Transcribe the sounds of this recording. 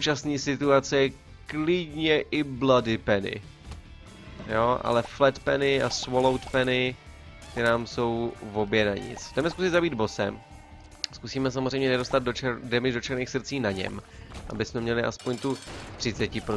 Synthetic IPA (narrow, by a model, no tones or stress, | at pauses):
t͡ʃasniːsɪt̪uat͡sɛ | klɪdɲɛʔɪbladɪpɛnɪ̰ | joʔa̰lɛflɛt̪pɛnɪʔasvolowt̪pɛnɪ | t̪ɪnaːmso̞wvo̞bjɛnaɲɪ̰t͡sxd̪ɛmɛskusɪd̪zabiːd̪bo̞sɛ̰m | skusiːmɛs̬amozrɛjmɲɛnɛdo̞st̪ad̪ot͡ʃɛdɛmɪʒdo̞t͡ʃɛɾniːxsrt͡siːnaɲɛ̰mʔa̰bɪsmɛmɲɛlɪʔa̰spo̞ɲt̪ut̪r̝̥ɪt͡sɛcɪpɾo